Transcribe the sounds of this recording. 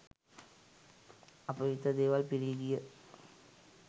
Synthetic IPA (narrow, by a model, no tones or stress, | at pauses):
ɐpːɐʋɪt̪ːɐd̪eːʋaːlpɪɾɪjɣɪjɐ